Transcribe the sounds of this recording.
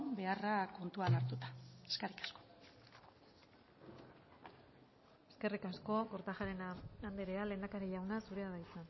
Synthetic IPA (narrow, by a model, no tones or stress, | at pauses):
mbe̞arako̞nt̪ualaɾt̪ut̪ḁeskerikḁsko̥ | e̞ske̞rikasko̞ko̞ɾt̪aʝaɾe̞naand̪eɾeale̞ːnd̪akaɾeʎawnasuɾe̞aðajsan